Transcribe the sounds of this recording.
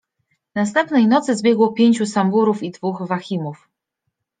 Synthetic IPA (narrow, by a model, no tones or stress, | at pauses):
nast̪ɛmpnɛjnɔt̪sɘzbʲjɛɡwɔpʲjeɲt͡ɕusambuɾufid̪vuxvaxʲimuf